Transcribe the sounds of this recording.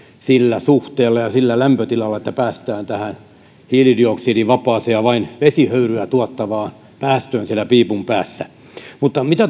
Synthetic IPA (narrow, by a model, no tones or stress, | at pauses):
silːæsuht̪eːlːɑjɑsilːælæmpøt̪ilɑlːɑet̪ːæpæːst̪æːnt̪æhæn | hiːlidioksiːdiʋɑpˑɑːseɑʋɑinʋesihøyryæt̪uɑt̪ːɑʋɑːn | pæːst̪øːnsiælæpiːpumpæːsːæ | mut̪ːɑmit̪æ